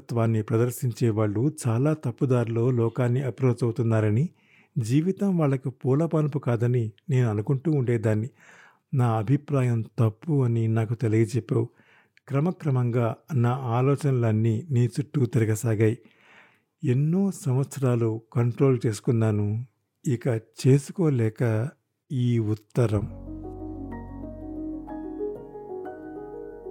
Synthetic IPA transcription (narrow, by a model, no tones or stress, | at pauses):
t̪ʋaːnːipɾɐd̪ɐɾʃiɲt͡ʃɛːʋaːɭːut͡ʃaːlaːt̪ɐpːud̪aːɾlo̞ːlɔːkaːnːiɐpɾoːt͡ʃɐwut̪unːaːɾɐni | d͡ʒiːʋit̪ɐmʋaːɭːɐkupuːlɐpaːnɐpukaːd̪ɐnine̞ːnuɐnukuɳʈuːɳɖeːd̪aːnːi | naːɐbʱipɾaːjɐmt̪ɐpːuɐninaːkut̪elɐɡɐt͡ʃɛpːewu | kɾɐmɐkɾɐmɐŋɡaːɐnːɐaːlɔːt͡ʃɐnɐlɐnːiniːt͡ʃuʈːut̪iɾɐɡɐsaːɡɐji | e̞nːoːsɐmʋɐt̪sɐɾaːlukɐɳʈɾo̞ːlt͡ʃe̞ːsu̥kunːaːnu | ikɐt͡ʃe̞ːsukoːlɛːkɐ | iːut̪ːɐɾɐm